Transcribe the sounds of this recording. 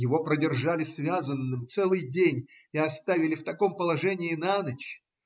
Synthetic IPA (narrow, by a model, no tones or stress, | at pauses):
jɪvo̞pɾədʲɪrʐalʲɪsvʲazənːɨmt̪sɛlˠɨjdʲenʲ | ɪɐst̪avʲɪlʲɪft̪ɐko̞mpəlˠɐʐɛnʲɪːnanət͡ɕ